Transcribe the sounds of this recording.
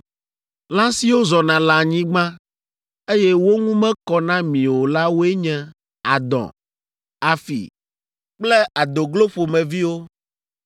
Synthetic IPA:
lã˦si˨wo˦zɔ˨nã˨la˨ɲĩ˦ɡ͡bã˦ | e˦jɛ˦wo˦ŋũ˦mɛ̃˦kɔ˨nã˦mĩ˨wo˨la˦wo˦e˦ɲɛ̃˦ | a˨d̪ɔ̰̃˨ | a˨fḭ˨ | k͡plɛ˦ʔa˨d̪o˨ɡlo˦ɸo˨mɛ̃˨vi˦wo˦

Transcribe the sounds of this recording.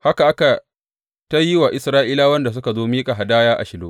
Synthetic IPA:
ha˦ka˨a˦ka˨ | ta˦jɪ˦wa˨ʔɪ˨sɾaː˦ʔiː˦laː˦wɐ˦nda˨s̬ʊ˦ka˨zoː˦miː˦kʼa˨ɦa˨daː˦jaː˦ʔa̰˨ʃɪ˨loː˦

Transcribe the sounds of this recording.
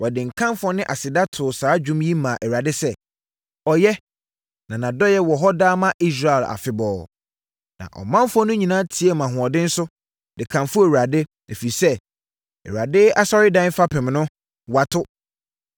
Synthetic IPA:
wɔ˨dɪ̃˨ŋ̩˨kʰã˦mfɔ˦nɪ̃˦ʔa˨sɪ˨da˦tʰʊ˨saː˨˦d͡ʑᶣũ˦mji˦mã˨ʔɛ˨ɾa˨dɪ˦sɛ˦ | ɔ˨jɛ˦ | nã˨nã˨dɔ˦jɛ˦wɔ˨ɦɔ˦daː˦mã˦ʔi˦s̬ɾa˦˨ɛ˨la̰˨fɪ˦bɔː˨ | nã̰˨ʔɔ̰˨mã˦m˦fɔ˦nʊ̃˦ɲĩ˨nã˦tʰi˨˦ɛ˨mã˨ɦʊ̃˨ɔ˨dɪ̃˦n̩˦sʊ˦ | dɪ˨kʰã˨mfʊ˦e˨wa˨dɪ˦ | e˨fi˨sɛ˦ | ɛ̰˨wa˨dɪ˦a˦sɔ˦ɾɪ˦dã˦n˦fa˦pʰɛ̃˨m˨nʊ̃˦ | wa˨tʰʊ˦

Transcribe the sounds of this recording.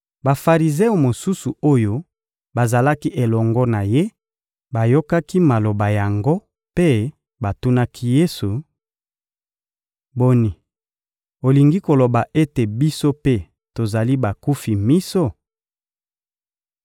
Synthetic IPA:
ba˨fa˨ʁi˨ze˦o˨mo˨su˦su˨o˦jo˦ | ba˨za˨la˦ki˦ʔe˨lɔ˨ŋɡɔ˦na˨je˦ | ba˨jo˦ka˦ki˦ma˨lo˨ba˨ja˨ŋɡo˦ | pe˦ | ba˨tu˦na˦kʰi˦je˦su˨ | bo˨ni˨ | o˨li˨ŋɡi˦ko˨lo˨ba˨ʔe˦te˨bi˦so˦pe˦ | to˨za˨li˦ba˨ku˦fi˨mi˦so˦

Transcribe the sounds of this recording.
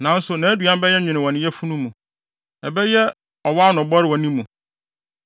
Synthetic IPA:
nã˨n̩˦sʊ˨nã˨˦du˨ã˦m˦bɛ˦jɛ˦ɲᶣɪ̃˨nɪ̃˨wɔ̃˨nɪ̃˨˦jɛ˦fu˦nũ˦mũ˨ | ɛ˨bɛ˦jɛ˦ | ɔ˨wa˦nʊ̃˨bɔ˦ɾɪ˨wɔ̃˨nĩ˦mːũ˨

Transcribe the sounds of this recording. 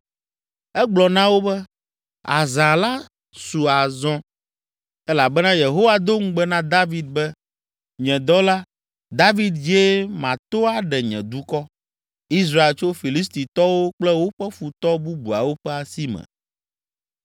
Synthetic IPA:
ɛ˦ɡ͡blɔ˨nã˦wo˦bɛ˦ | a̰˨zã˨la˦ | su˨a˨zɔ̃˦ | ɛ˦la˨bɛ˦nã˦je˨ɦo˦wa˨d̪o˦ŋ̩˦ɡ͡bɛ˦nã˦d̪a˦vi˦d̪̚bɛ˦ | ɲɛ̃˨d̪ɔ˦la˦ | d̪a˦vi˦d̪d͡ʑe˦mã˨t̪o˦a˦ɖɛ˨ɲɛ̰̃˨d̪u˦kɔ˦ | i˦s̬ɾa˦e˨lt͡ʃo˦fi˨li˦s̬t̪i˨t̪ɔ˦wo˦k͡plɛ˦wo˦ɸɛ˦fu˨t̪ɔ˦bu˦bu˨a̰˨wo˦ɸɛ˦a˨si˦mɛ̰̃˨

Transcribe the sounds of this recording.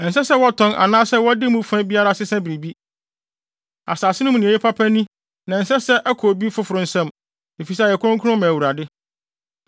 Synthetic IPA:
n̩˨s̬ɛ˦sɛ˦wɔ˦tʰɔ̃˦na̰˨nãː˦sɛ˦wɔ˦dɪ˦mũ˦fɛ̃˦bi˦a˦ɾa˦sɪ˦sɛ̃˦bɾe˨bi˦ | a̰˨saː˨sɪ˦nʊ̃˦m˨nĩ˨e˨e˦pʰa˦pʰæ̃˦nũ˦ | nã˨n̩˨sɛ˦sɛ˦ʔæ˦kʰo˨bi˦fʊ˦fʊ˨ɾʊ̃˨n̩˨˦sã˦m | e˨fi˨s̬ɛ˦˨ɛ˨kʰʊ̃˦ʊ̃˦ŋkʰʊ˦ʊ̃˦mæ̃˨wu˨ɾa˨dɪ˦

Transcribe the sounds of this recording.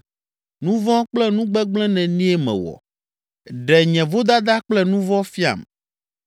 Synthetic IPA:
nũ˦vɔ̃˦k͡plɛ˦nũ˦ɡ͡bɛ˦ɡ͡blɛ̃˦nɛ̃˨nĩ˦ɛ˦mɛ̰̃˨wɔ̰˨ | ɖɛ˨ɲɛ̃˨vo˦d̪a˦d̪a˦k͡plɛ˦nũ˦vɔ˦fi˦a̰˨m

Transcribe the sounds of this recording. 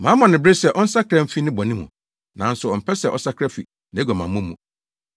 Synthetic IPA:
mã˨˦mɔ̃˨nɪ̃˨bɾe˦sɛ˨ʔɔ˦n̩˦sa˦kʰɾɛ˦m̩˦fi˦nɪ̃˦bɔ˨nĩ˦mṵ̃˨ | nã˨n̩˦sʊ˨ɔ˨m̩˨pʰɛ˦sɛ˨ʔɔ̰˨sa˦kʰɾɛ˦fḭ˨ | nã˨˦ɡɔ˨mã˨mũ˦mũ˨

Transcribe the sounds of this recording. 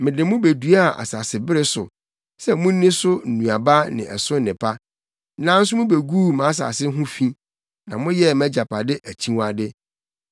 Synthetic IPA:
mɪ̃˨dɪ̃˨mʊ̃˦be˨du˨a˦a˨ʔa̰˨sa˨sɪ˨bɪ˦ɾɪ˦sʊ̰˨ | sɛ˦mʊ̃˦nĩ˦sʊ˦n̩˨nũ˨a˨ba˦nɪ̰̃˨ɛ˨sʊ̃˦n̩˦nɪ̃˨pʰa˦ | nã˦n̩˦s̬ʊ˦mʊ̃˦be˨ɡuː˦˨mã˨˦s̬a̰˨sɪ˦ɦʊ̃˦fĩ˦ | nã˨mʊ̃˦jɛ˦mæ̃˦d͡ʑa˨pʰa˨dɪ˦ʔæ˨t͡ɕʰĩ˦wa˨dɪ˦

